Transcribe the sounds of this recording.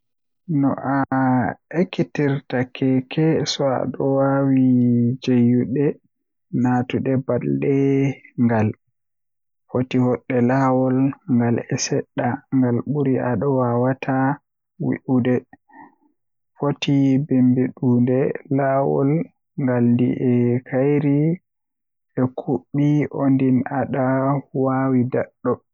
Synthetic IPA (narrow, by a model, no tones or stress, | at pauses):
nɔ̰ʔa | ekːitiɾtakʰɛkʰɛsɔa̰ɗɔwawid͡ʒejuɗɛ | natuɗɛbalɗɛŋɡal | fotihɔɗːɛlawɔlŋɡalɛsɛɗːaŋɡalɓuɾiʔaɗɔwawatʰa | wḭʔudɛ | fotibimbiɗuːndɛlawɔ̰l | ŋɡalndḭʔɛkʰajɾi | ɛkʰuɓːiʔondinaɗawawidaɗːɔ